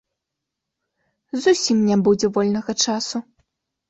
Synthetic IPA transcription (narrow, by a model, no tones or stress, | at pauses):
zusʲimnʲabud͡zʲɛvɔlʲnɐɣɐt͡ʂasu